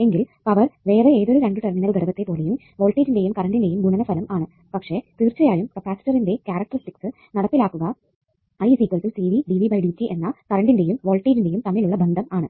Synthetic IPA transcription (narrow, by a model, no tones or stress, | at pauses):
e̞ŋɡilpɐʋɐrʋe̞ːreeːðo̞ɾuɾeɳɖɨʈɐrminɐɭb̪ɐɾɐbɐt̪ːe̞po̞ːle̞jum | ʋo̞ːɭʈːiːtinde̞jumkɐɾɐɳɖinde̞jumɡuɳɐnɐfɐlɐmʔaːɳɨ | pɐkʂe̞t̪iːrt͡ɕːɐjaːjumkɐpaːsʈɐrinde̞kʲaːɾɐk̚ʈɐrsʈiksɨ | nɐɽɐpːilaːkːuɣɐ | ɐiːsiːkʋɐlsilsiːʋiɖiːʋibɐjɽiit͡ɕːiʔe̞nːɐkɐrɐɳɖinde̞jumʋo̞ːɭʈiːtinde̞jumt̪ɐmːiluɭːɐbʱɐnd̪ʱɐmaːɳɨ